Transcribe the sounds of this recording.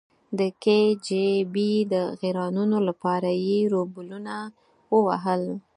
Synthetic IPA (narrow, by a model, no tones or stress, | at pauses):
d̪əked͡ʒebid̪əɣeɾɑnunolapɑɾajeɾobʊluna | wəwaɦəl